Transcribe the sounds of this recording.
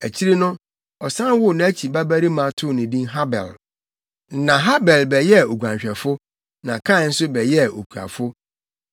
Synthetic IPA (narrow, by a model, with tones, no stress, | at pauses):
æ˨t͡ɕʰi˦ɾi˦nʊ̃˦ | ɔ˨sã˦wʊ˦˨nã˨æ˦t͡ɕʰi˨ba˦bæ˦ɾi˦mã˦tʰʊ˦˨nɪ̃˨dĩ˦nɦa˦bɛ̰˨l̩˦ | nã˨ɦa˦bɛ˨lbɛ˨jɛ˦o˨ɡʷã˨ɲɕᶣɛ˨fʊ˦ | nã˨kʰã˦˨n̩˦sʊ˦bɛ˨jɛ˦˨o˨kʰu˨a̰˨fʊ˦